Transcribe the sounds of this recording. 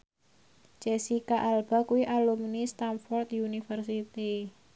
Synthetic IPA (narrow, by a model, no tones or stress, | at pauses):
t͡ʃɛsikaʔalb̥a̤kuwiʔalumnist̪anfɔrt̪unifərsit̪i